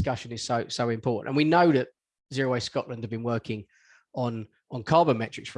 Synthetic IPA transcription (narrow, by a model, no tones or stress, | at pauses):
kʌʃə̃nɪz̥səʊsəʊɪ̃mpʰɔˑʔn̩ʔə̰̃nwinəʊðəʔ | zɪəɹəʊeɪskɒʔlə̃ndəvbĩnwɜˑkʰɪ̃ŋ | ə̃n | ə̃nkʰɑːbəmɛt͡ʃɹ̥ɪksfə